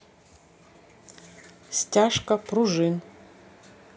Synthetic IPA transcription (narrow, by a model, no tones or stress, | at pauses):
stʲaʂkɐpʰruʐɨn